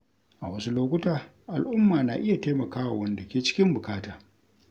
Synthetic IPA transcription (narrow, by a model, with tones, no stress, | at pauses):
ʔa̰˨wɐ˦su˦loː˦kʷʊ˦taː˨ | ʔa˨lʔʊ˦mːaː˨naː˨ʔɪ˦ja˨teː˦mɐ˨kaː˦wa˨wɐ˦nda˨kʲeː˦t͡ʃɪ̥˦kʲɪ˦mbʊ˨kaː˦taː˨